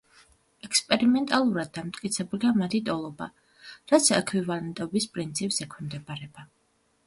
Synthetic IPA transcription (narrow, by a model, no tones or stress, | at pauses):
ɛkspʼɛɾimɛnt̪ʼalˠuɾad̪ːamt̪ʼkʼit̪sʰɛbuliamat̪ʰid̪ʼɔlˠɔba̰ | ɾat̪sʰɛkʰwivalɛnt̪ʼɔbispʼɾint̪sʰipʼsɛkʰvimd̪ɛbaɾɛba